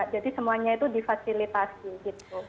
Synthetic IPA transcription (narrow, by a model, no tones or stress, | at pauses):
d͡ʒadisəmuaɲait̪udifasilit̪asiɡit̪̚u